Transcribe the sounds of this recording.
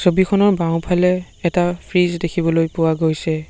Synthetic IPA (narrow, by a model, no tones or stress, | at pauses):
sobikʰɔnɔɹbãʊ̃pʰalɛː | tapʰɹizdekʰibɔlojpʊwaɡojsɛ